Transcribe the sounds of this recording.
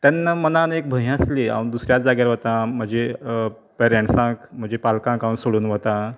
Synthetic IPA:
t̪janːamənanek̚bʱə̃ɦəslia̰ʋund̪usɾjat͡sd͡zaɡjaɾʋət̪ãm̤əɳd͡ze | pɛɾẽɳʈsãkm̤əɳd͡zepalkãkaʋũnsoɽuːnʋət̪ã

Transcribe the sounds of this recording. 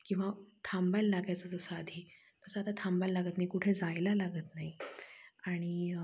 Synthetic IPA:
kĩw̃ʋat̪ʰambajlːaɡajt͡səd͡zəsːd̪ʱiː | t̪əsəat̪at̪ʰambajlːaɡət̪naɦikuʈʰed͡zajlalaɡət̪naɦi | aɽ̃i

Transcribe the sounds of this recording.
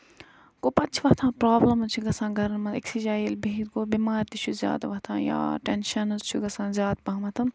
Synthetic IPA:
koːpɐtt͡ʃʰʋɐht̪ʰãːpɾaːblɐmzt͡ʃʰuɡɐsãːɡʱɐɾnmɐt̪eksid͡ʒaːjilbit̪koːbiːmaːɾt̪it͡ʃʰuzʲja̰ːd̪ʋɐt̪ʰã̰ːja̰ːʈenʃɐnɐzt͡ʃʰuɡɐsãːzʲjaːd̪bɐ̃ɦmɐt̪ʰɐm

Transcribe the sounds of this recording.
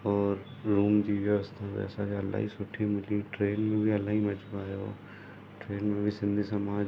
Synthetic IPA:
ɔːɾɾuːmd͡ʒiːʋjəʋəst̪ʰabɛ̰ːsakeɐla̰ɦḭsʊʈʰimɪliʈɾeːnmẽbʱiɐlaːɦimɐd͡ʒbaːjo̰ː | ʈɾeːnmẽbʱisɪ̃nd̪ʱisəmaː

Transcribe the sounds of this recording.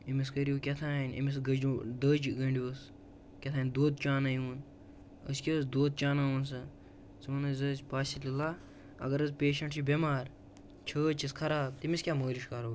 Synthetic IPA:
imis̬kəɾiukʲɐt̪ʰaːinʲḭmis̬ɡɐd͡ʒud̪əːd͡ʒɡɐɳɖʲiwɐs | kʲɐt̪ʰaːnd̪oːt̪̚t͡ʃaːnaːjuːn | ə̰skʲisd̪oːt̪̚t͡ʃaːnaːʋunsɐ | sɨmɐnɐzɐzpaːsilʲila | ɐ̰ɡɐɾɐzpʲeːʃɐɳʈt͡ʃibʲemaːɾ | t͡ʃʰəːt͡ʃiskʰɐɾaːb̚t̪imiskʲaːməːliʃkaɾoː

